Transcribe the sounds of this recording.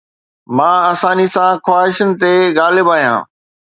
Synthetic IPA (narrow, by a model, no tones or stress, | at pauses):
mãːɐsãːnisãxwaːɦɪʃənɪ̆t̪eɣaːlɪbaːɦijã̰ː